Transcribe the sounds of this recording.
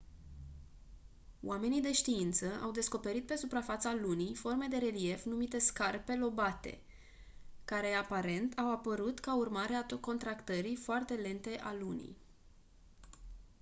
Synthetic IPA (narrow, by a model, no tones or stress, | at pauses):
w̰ʔame̞nijd̪e̞ʃt̪iint̪səʔawd̪e̞sko̞pe̞ɾit̪̚pe̞supɾafat̪salunijfo̞rme̞d̪e̞ɾe̞lie̞fnumit̪e̞skarpe̞lo̞bat̪e̞̰ | kaɾe̞apaɾe̞nt̪ʰawapəɾut̪kaurmaɾeat̪oko̞nt̪ɾakt̪əɾifoart̪e̞le̞nt̪e̞ʔalunḭj